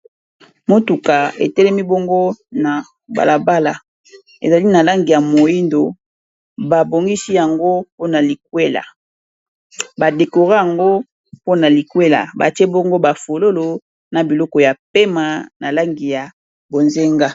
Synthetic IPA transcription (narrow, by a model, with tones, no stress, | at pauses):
mo˦tu˨ka˨ḛ˨tɛ˦lɛ˦mi˦bo˦ŋɡo˦na˨ | ba̰˨la˨ba˦la˨ | ḛ˨za˨li˦na˨la˦ŋɡi˨ja˨mo˨ji˦ndo˨ | ba˨bo˨ŋɡi˦si˦ja˨ŋɡo˦po˦na˨li˨k̚we˦la̰˨ | ba˨de˨ko˨ʁa˦ja˨ŋɡo˦ | po˦na˨li˨kwe˦la̰˨ba˨ti˦e˦bo˦ŋɡo˦ba˨fo˨lo˦lo˨ | na˨bi˨lɔ˦kɔ˨ja˨pe˦ma˨na˨la˦ŋɡi˨ja˨ | bo˨nze˦ŋɡa˦